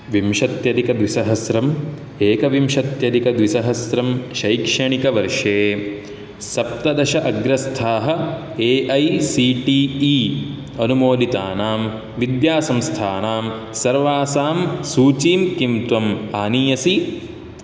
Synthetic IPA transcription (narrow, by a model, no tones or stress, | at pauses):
ʋimʃɐt̪jɐd̪ikɐd̪ʋisɐɦɐsɾɐm | eːkɐʋimʃɐt̪jɐd̪ikɐd̪ʋisɐɦɐsɾɐmʃɐjkʂɐɳikɐʋɐɾʂeː | sɐp̚t̪ɐd̪ɐʃɐʔɐɡɾɐst̪ʰaːɦɐ̆ | eːʔɐjsiːʈiːi | ɐnumoːlit̪aːnaːm | ʋid̪jaːsɐmst̪ʰaːnaːm | sɐɾʋaːsaːmsuːt͡ʃiːmkimt̪ʋɐmaːniːjɐsi